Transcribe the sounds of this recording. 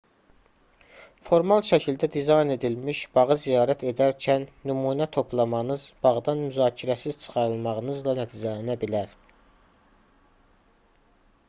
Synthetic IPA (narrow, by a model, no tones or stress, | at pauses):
fo̞ɾmɑlˠʃæcʰild̪æd̪izɑjne̞d̪ilmiʃb̥ɑʁɯzijɑːɾæt̪ʰe̞d̪æɾcʰænːymuːnæt̪ʰo̞pʰlˠɑmɑnɯzb̥ɑʁd̪ɑnmyzɑːcʰiɾæsiz̥t͡ʃʰɯ̥χɑɾɯlˠmɑʁɯnɯzlˠɑnæt̪ʰiːd͡ʒælænæbilæɾ